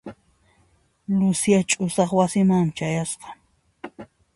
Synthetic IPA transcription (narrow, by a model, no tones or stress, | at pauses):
lʊsjat͡ʃʼʊsɑχwasɪmaŋmɪt͡ʃajasqɑ̥